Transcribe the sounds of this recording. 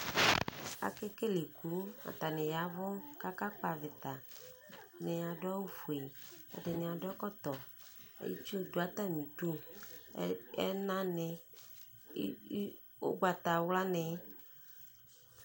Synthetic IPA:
a̰˨ke˦ke˦le˨ku˨˦a̰˨t̪a˨nɪ˨ja˨˦vɔ˦ka˦ka˦k͡pa˨vɪ˨t̪a˨ | nɪ˨a˨da˦wu˦fu˨e˨ɛ̰˨dɪ˨nɪ˨ã˨dkɔ˦t̪ɔ˨ḛ˨˦jḭ˦t͡ʃu˦˨do˨˦a˨t̪a˦˨mĩ˨tu˦ | ɛ̰˦nã˦ne˨˦ | o̰˦ɡ͡ba˨t̪a˨wla˦ne˨

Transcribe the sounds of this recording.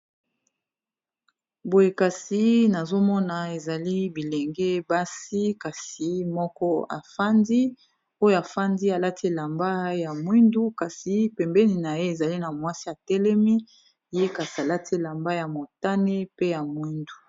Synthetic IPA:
bo˨je˨ka˨si˦na˨zo˦mɔ˦na˨e˨za˨li˦bi˨le˨ŋɡe˦ba˦si˦ka˨si˨mɔ˦kɔ˦a̰˨fa˦ndi˦ | o˦jo˦a˨fa˦ndi˦a˨la˦tʰi˦˨la˨mba˦ja˨mwi˦ndu˦ka˨si˨pɛ˨mbɛ˦ni˨na˨je˦e˨za˨li˦na˨mwa˦si˦a˨tɛ˦lɛ˦mi˦ | je˦ka˨si˨a˨la˦tʰi˦˨la˨mba˦ja˨mo˨ta˦ne˦pe˦ja˨mwi˦ndu˨

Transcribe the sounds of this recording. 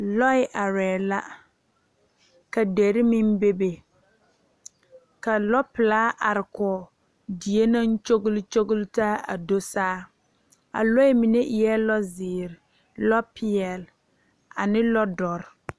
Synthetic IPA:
lɔ˦ɪ˦ʔa˨ɾɛː˨la˦ | ka˨de˨ɾɪ˦mɪ˦m˦be˦be˨ | ka˨lɔ˦pɪ˨laː˦ʔa˨ɾɪ˨kɔː˨ | di˨e˦nã˦n˦t͡ʃo˦ɡʊ˦lt͡ʃo˦ɡʊ˦ltaː˦a̰˨do˦saː˦ | a̰˨lɔ˦ɪ˦mi˨ne˦ʔɪ˨jɛ˦lɔ˦zɪː˨ɾɪ˨ | lɔ˦pʰɪ˦ɛ˨l | a̰˨nɪ˦lɔ˦dɔ˨ɾ

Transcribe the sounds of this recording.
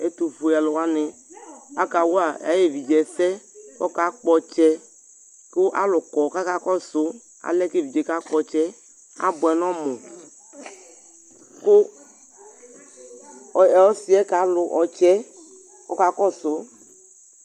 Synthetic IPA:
e˦t̪u˨fu˨ja˨lʊ˨wa˦nɪ˨a˦ka˨wo˦a˨a˨˦je˨vi˨d͡ʒɛ˨sɛ˦ɔ˦ka˨˦k͡pɔ˨t͡ʃɛ˦ | kʊ˦ʔa̰˦lʊ˨kɔ˨ka˦ka˦kɔ˦sʊ˦ | a̰˨lɛ˦ke˦˨vi˨d͡ʒe˨˦ka˦k͡pɔ˨t͡ʃɛ˦ | a̰˦bʊ˨ɛ˨nɔ̃˦mɔ˨ | kʊ˦˨ | ɛ˨ɔ˦si˦ɛ˦ka˨˦lʊ˨ʔɔ˨t͡ʃɛ˦ | ɔ˦ka˦kɔ˦sʊ˦

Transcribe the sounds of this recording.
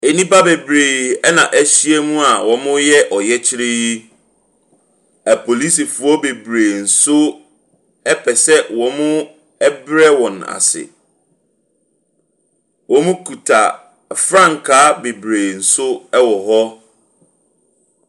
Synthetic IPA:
e˨nĩ˦ba˦be˨bɾeː˨ɛ˦nã˨ʔæ˦ɕi˦e˦mũ˦a˨wɔ̃˨mʊ̃˦jɛ˦ʔɔ˨jɛ˦t͡ɕʰɪ˦ɾe˦ji˦ | æ˨pʰo˨li˦si˨fu˨ɔ˦be˨bɾeː˨n̩˨sʊ˦ | ɛ˦pʰɛ˨sɛ˦wɔ̃˨mʊ̃˦ | ɛ˦bɾɛ˦wɔ̃˨na̰˨sɪ̰˨ | wɔ̃˨mʊ̃˦kʰu˨tʰa̰˨ | fɾã˦˨ŋ˨kʰaː˨˦be˨bɾeː˨n̩˨sʊ˦ɛ˦wɔ˨ɦɔ˦

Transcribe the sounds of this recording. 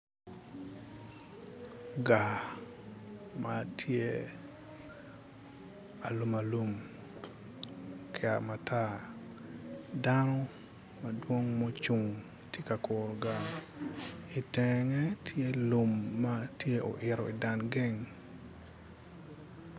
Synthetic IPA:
ɡa˨ | matʰje˦ | a˨lu˨ma˨lu˨m | kʰɪ˦a̰˨ma˨tʰa˦ | danɔ˦ | ma˨dwo˦ŋmɔ˦t͡ʃu˨ŋ | tje˦ka˨ko˨ɾɡa˨ | i˨tɛ˨ŋɛ˦tʰje˦lu˨mːa˦tje˦ʔo̰˨ʔɪ˨ɾɔ˨i˨da˨nɡe˦ŋ

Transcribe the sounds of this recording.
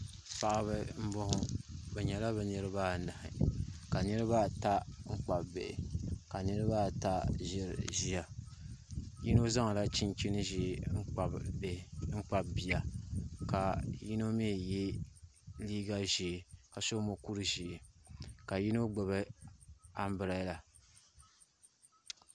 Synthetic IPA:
pa˨ʔa˨βɨ˦m̩˦bo˦hʊ˨bɛ˨ɲɛ˨la˦bɛ˨nɨ˦ɾɨ˦ba˦na˨hɪ̰˨ka˨nɨ˦ɾɨ˦ba˦˨ta˦ŋ͡m̩˦k͡pa˨bbḛ˨ʔɪ̰˨ka˨nɨ˦ɾɨ˦ba˦ta˦ʒɪ˦ɾ̰ʒi˦ja˨ | ji˦no˦za˦ŋa˨la˦t͡ʃi˦n˦t͡ʃi˦nɨ˦i˦˨˦a˨ | ŋ͡m̩˦k͡pa˨bbi˨ja˨ka˨ji˦no˦me˦˨je˦ | liː˦ɡa˦ʒi˨ka˨so˦mo˨ku˦ɾɨ˦ʒi˨ka˨ji˦no˦ɡ͡bo˨βɨ˦ | a˦m˦bɨ˨ɾa˦jla˨

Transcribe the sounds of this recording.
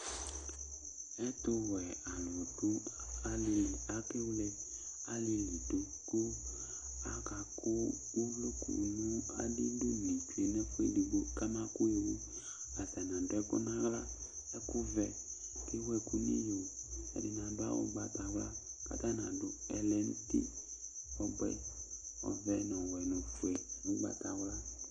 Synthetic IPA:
ɛ˦tʊ˧wɛ˨a˨lo˨dʊ˦a˦la˨˦ke˦wle˦ | a˦lɪ˦li˨du˦ | kʊ˦ | a˦ka˨kʰʊ˦ | u˦lʊ˦kṵ˨ni˦a̰˦dɪ˦dʊ˦ni˨t͡ʃu˨e˨nɛ˦fu˦ḛ˦di˨ɡ͡bo˦ka˦ma˦kʊ˦e˨wu˦ | a˨ta˨nã˨dʊ˨˦ɛ˦kʊ̰˦nã˦ɣla˦ | ɛ˦kʊ˦vɛ˨ | kɪ˦wɛ˨kʊ˦nḭ˦jo˨ɛ̰˨dɪ˨nã˨dʊ˦a̰˦wʊ̰˦ɡ͡ba˨ta˨wla˦ka̰˨ta˦nã˨dʊ˦ɛ˨lɛ˨n̩˦tḭ˦ | ɔ˦ɡ͡bɛ̰˦ɔ̰˨vɛ˨n˨ɔ˨wɛ˨nɔ˨fu˨ɛ˨wʊ˦ɡ͡ba̰˦ta˨wla˦

